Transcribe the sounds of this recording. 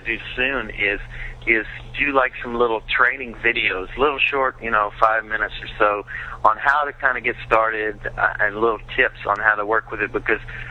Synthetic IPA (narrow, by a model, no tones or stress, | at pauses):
dɨsʉ̃nɪz̥ɪzdɨlaɪksʌ̃mlɪɾl̩ˠtʰɹ̥ẽɪ̃nɪ̃ŋvɪɾioʊz̥lɪɾl̩ˠʃɔɹt̚jɨñoʊfaɪvmɪ̃nɨtsə˞soʊə̃nɦaʊɾɨkʰãɪ̃ndɨɡɛtstɑɹɾɪɾ̰ʔɨ̃nlɪɾl̩ˠtʰɪpsn̩haʊɾəwɜ˞kwɨðɨt̚b̥ɨkʰʌz̥